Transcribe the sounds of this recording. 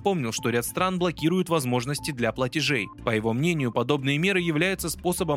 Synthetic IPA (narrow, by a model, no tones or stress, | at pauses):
po̞mnʲɪlˠʂt̪o̞ɾʲat̪st̪ɾanblˠɐkʲiɾʊjʊt̪vɐzmo̞ʐnəsʲtʲɪd̪lʲaplˠətʲɪʐejpəjɪvo̞mnʲenʲɪjʊpɐd̪o̞bnɨjəmʲe̞ɾɨjɪvlʲæjɪt̪səspo̞səbə